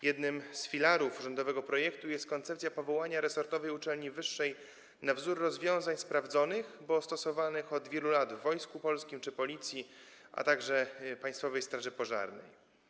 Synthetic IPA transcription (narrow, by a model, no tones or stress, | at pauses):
jɛd̪nɘmsfʲilaɾufuʐɔnd̪ɔvɛɡɔpɾɔjɛkt̪ujɛst̪̚kɔnt̪sɛpt̪sʲjapɔvɔwaɲaɾɛsɔɾt̪ɔvɛjut͡ʂɛlɲivɘʂːɛj | navzuɾːɔzvʲjɔ̃w̃zaɲspɾavd̪zɔnɘxbɔst̪ɔsɔvanɘxɔd̪vʲjɛlulad̪vːɔjskupɔlskʲimt͡ʂɘpɔlʲit̪sʲjiʔa̰t̪aɡʐɛpaj̃st̪fɔvɛjst̪ɾaʐɘpɔʐa̰ɾnɛ̰j